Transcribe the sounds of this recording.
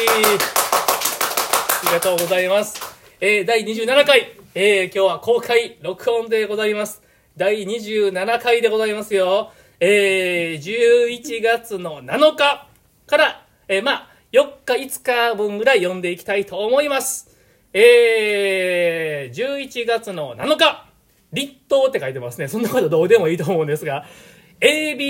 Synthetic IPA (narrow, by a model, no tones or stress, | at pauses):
aɾʲiɡat̪o̞ːɡo̞zaimasɨ̥ | eːd̪aiɲ̟iʑɨːnanakaieːkʲo̞ːβako̞ːkʰaiɾo̞kɯ̟õ̞nd̪e̞ɡo̞zaimasɨ̥ | d̪aiɲ̟iʑɨːnanakaid̪e̞ɡo̞zaimasɨjo̞ | eːd͡ʑɨːit͡ɕiɡat͡sɨno̞nano̞ka | kaɾa | ema | jo̞kːait͡sɨ̥kabɯ̟̃ŋɡɯ̟ɾaijõ̞nd̪e̞ikʲi̥t̪ait̪o̞ːmo̞imasɨ̥ | eː | d͡ʑɨːit͡ɕiɡat͡sɨno̞na̰no̞ka | ɾʲit̪ːo̞ːt̪ːe̞kait̪e̞masɨne̞sõ̞nːako̞t̪od̪o̞ːd̪e̞mo̞iːt̪o̞ːmo̞ɯ̟̃nd̪e̞sɨɡa | eːbʲi